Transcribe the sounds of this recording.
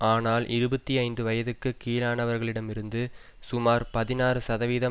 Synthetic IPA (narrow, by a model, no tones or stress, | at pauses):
aːnaːlʔɪɾɯbɐt̪ːiɐɪnd̪ɯʋɐjɐðɯkːɯkiːlaːnɐʋɐɾɣɐɭɪɽɐmɪɾɯnd̪ɯsʊmaːɾpɐðɪnaːrɯsɐðɐʋiːðɐ